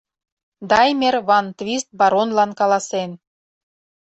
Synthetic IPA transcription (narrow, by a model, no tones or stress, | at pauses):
d̪ɑjmʲerβɑnt̪βʲist̪̚bɑɾonlɑnkɑlˠɑsen